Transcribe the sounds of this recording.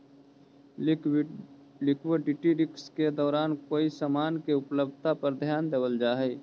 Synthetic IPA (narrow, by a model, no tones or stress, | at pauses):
lɪkweɖɪʈiɾɪksked̪ɔːɾaːnkoːisəmaːnkeʊpləb̚d̪̚ʱt̪apəɾd̪ʱjaːnd̪eːʋəld͡ʒaːɦɛ